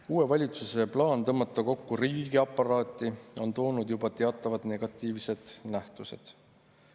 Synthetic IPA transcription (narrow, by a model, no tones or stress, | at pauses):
uːe̞vɑlʲit̪suse̞plɑːnt̪ɤmːɑt̪ːˑɑko̞kːuɾiːɡiɑpːˑɑɾɑːt̪ːˑio̞nt̪o̞ːnud̪jubɑt̪e̞ɑt̪ːˑɑvɑd̪̥ne̞ɡ̥ɑt̪ˑːiːvse̞d̪̥næht̪use̞̰d̪̥